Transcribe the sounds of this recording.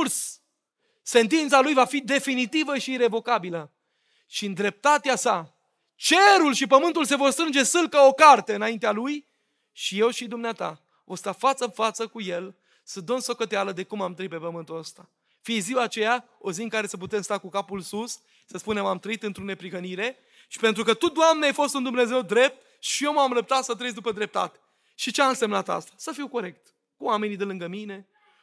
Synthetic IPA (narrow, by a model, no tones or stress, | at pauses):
rsː | e̞nt̪int̪salujvafid̪e̞finit̪ivəʃiːɾe̞vo̞kabilə | ʃiɨnd̪ɾe̞p̚t̪at̪easa | t͡ʃe̞ɾulʃipəmɨnt̪ulse̞vo̞rst̪ɾɨnd͡ʒe̞sɨlkəo̞kart̪e̞ɨnaint̪ealuj | ʃije̞wʃid̪umneat̪a̰ | vo̞jst̪afat̪sənfat̪səkuje̞l | səd̪onso̞kət̪ealəd̪e̞kumamt̪ɾəitpe̞pəmɨnt̪uəst̪a | fiziwat͡ʃe̞jaoziɨŋkaɾe̞səp̬ut̪e̞mst̪akukapulsus | səspune̞mamt̪ɾəit̪ɨnt̪ɾone̞pɾiɦəniɾe̞ | ʃi̥pe̞nt̪ɾukət̪ud̪oamneajfo̞st̪und̪umne̞ze̞wd̪ɾe̞p̚t̪ | ʃijewmamɾəp̚t̪at̪sət̪̬ɾejd̪upəd̪ɾe̞p̚t̪a̰t̪e̥ | ʃit͡ʃeamɨnse̞mnat̪a̰st̪ḁsəfiwko̞ɾe̞k̚t̪ | kuwame̞nid̪elɨŋɡəmine̞